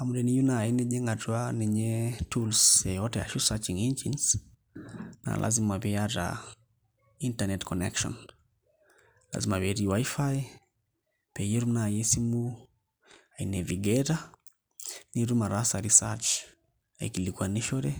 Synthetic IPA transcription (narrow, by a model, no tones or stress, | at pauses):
amudɛnijunaːinɛʄɛŋɡad͡ʒuanɛɲɛtulsɛjɔtɛja̰ʃusat͡ʃiŋind͡ʒins | na̰lʔa̰zimaβɛaɾa̰ | intanɛtkɔnɛkʃɔ̰n | la̰zimaβɛɾiwajfaj | pɛjɛɾumnajɛsimu | ainɛviɡɛɾa | niɾumaɾasaɾisa̰t͡ʃ | aikilikuaniʃɔɾɛ